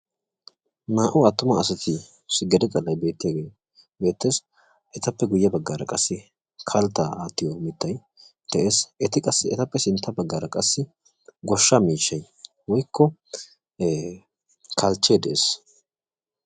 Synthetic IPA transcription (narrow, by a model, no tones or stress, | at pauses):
maːʔʊɐt̪ːʊmɐːsɐt̪ʰɪ | sɪɡɛd̪ɛkʼɐlːɐjbe̞ːt̪ːɪjaːɡeː | be̞ːt̪ːe̞ːs | ʔɛt̪ɐpːɛɡʊjːɐbɐɡːaːɾɐkʼɐsːɪ | kʰɐlt̪ːaaːt̪ːɪjomɪt̪ːɐj | d̪̥ɛʔeːsɛt̪ɪkʼɐsːɪɛt̪ɐpːɛsɪnt̪ʰːɐbɐɡːaːɾɐkʼɐsːɪ | ɡɔʃːamiːʃːɐj | wɔjkʰːɔ | kʰɐlt͡ʃːeːd̪ɛʔeːs